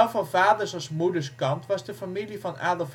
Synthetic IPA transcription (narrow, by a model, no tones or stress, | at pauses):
wfɑnvaːdəɹsɑsmudəskɑntʋɑsdəfamilifɑna̰ːdəf